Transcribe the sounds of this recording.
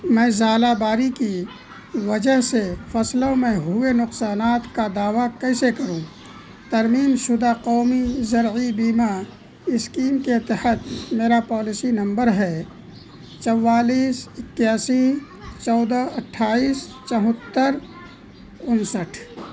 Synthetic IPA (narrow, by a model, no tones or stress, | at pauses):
mɛ̃ːzaːlabaːɾiki | ʋəd͡ʒəɦsefʰɐslõmẽɦʊenʊqsaːnaːt̪kad̪aːʋakɛɪsekəɾũ | t̪ɐɾmiːnʃʊd̪aqɔːmizɐɾibiːma | ɪskiːmket̪əhət̪meːɾapɔːlɪsinɐ̃mbəɾɦɛː | t͡ʃɐwːaːliːsɪkːjaːsi | t͡ʃɔːd̪aəʈʰːaːiːst͡ʃəɦʊt̪ːəɾ | ʊnsəʈʰ